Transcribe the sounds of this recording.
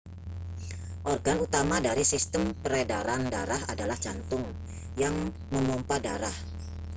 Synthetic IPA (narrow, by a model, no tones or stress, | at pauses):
ʔɔrɡanut̪amadaɾisist̪əmpəɾedaɾandaɾaɦadalaht͡ʃant̪ʊŋ | jaŋ | məmɔmpadaɾah